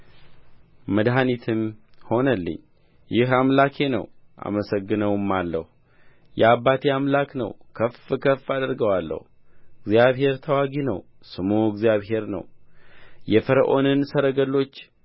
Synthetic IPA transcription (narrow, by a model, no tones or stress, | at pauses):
məd̪ɦanit̪ʰɨmho̞nəlːɨ̰ɲː | jɪɦamlakʰe̞nə̰wʔa̰məsəɡːɨnəwɨmːalːə̰hu | jɛabːat̪ʰeamlaknə̰wkʰəfɨkʰəfad̪əɾɡəwalːə̰hu | ɨɡzijaβɦe̞ɾt̪ʰəwaɡinə̰w | sɨmoɡzjaβɦe̞ɾnə̰w | jɛfəɾəʔo̞nɨnsəɾəɡəlo̞t͡ʃː